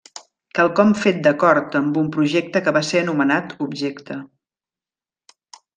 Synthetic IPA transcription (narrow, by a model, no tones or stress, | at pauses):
kalˠkɔmfet̪̚d̪əkɔɾt̪əmbumpɾuʒek̚t̪əkəβaseənumənat̪ubʒekt̪ə